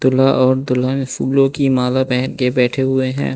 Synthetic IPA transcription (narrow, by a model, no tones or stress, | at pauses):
d̪̥ʊlaʔɔːɾd̪ʊlanɪfuːlõkimaːlapɛɦnkebɛːʈʰeɦʊeɦɛ̰̃ː